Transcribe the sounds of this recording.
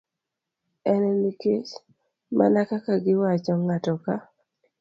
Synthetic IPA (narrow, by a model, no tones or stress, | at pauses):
ɛnɛnikes | ma̰nakakaɡɪwat͡ʃɔŋatɔka